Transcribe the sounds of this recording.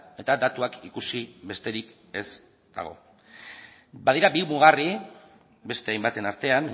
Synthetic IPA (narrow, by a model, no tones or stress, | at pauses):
e̞t̪ad̪at̪uakikusibe̞st̪e̞ɾik | e̞z | d̪̥a̰ɣ̞o̞̰ | bað̞iɾabiβuɣari | be̞st̪e̞ajmbat̪e̞naɾt̪e̞am